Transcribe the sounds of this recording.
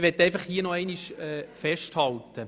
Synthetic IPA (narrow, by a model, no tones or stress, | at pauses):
ʋɛtːɛɪfɑχhiːənɔɛɪniʃɛfɛʃthɑltə